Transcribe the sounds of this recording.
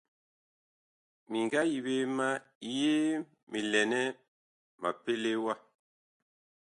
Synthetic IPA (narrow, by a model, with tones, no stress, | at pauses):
mi˨ŋɡa˦ji˨be˦ma˦˨˦ | je˦ | mi˨lɛ˨nɛ˦ | ma̰˨pe˦le˦wa˦˨